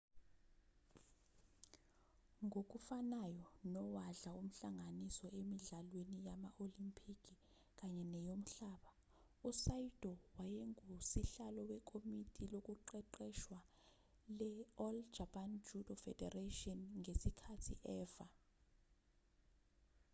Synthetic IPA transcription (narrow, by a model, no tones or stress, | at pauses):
ŋok̬ʼufanajɔnɔwaɮaum̩ɬaŋanisɔemiɮalwenijamaʔolimpʰikʰʼi | k̬ʼaɲɛnɛjom̩ɬaːɓa | usaid̥ʱɔwajeŋusiɬalɔwɛkʰʼomitʼilok̬ʼuǃɛǃɛʃwa | lɛɔld͡ʒapʰand͡ʒudɔfɛ̰dɛratʼiɔnŋesikʰatʰḭʔɛːva